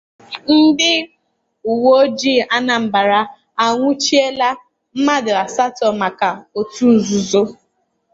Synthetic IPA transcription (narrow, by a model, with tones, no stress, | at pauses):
n̩˦dɪ˦ | u˨wo˦d͡ʒi˦˨a˦na˨m̩˨ba˨ɾa˨ | a˨ŋʷʊ˦t͡ʃi˦e˦la˦ | m̩˦ma˦dɪ˨a˨sa˦tɔ˨ma˨ka˨o˨tu˦n̩˨zu˨zo˦